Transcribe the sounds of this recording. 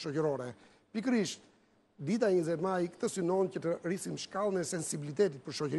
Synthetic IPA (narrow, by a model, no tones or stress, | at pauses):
ʃɔcəɾɔɾɛ | pikəɾiʃt̪ | d̪it̪aɛɲəzɛt̪majkt̪əsynɔncət̪ərisimʃkalˠənɛsɛnsibilit̪ɛt̪it̪̚pəɾʃɔcəɾ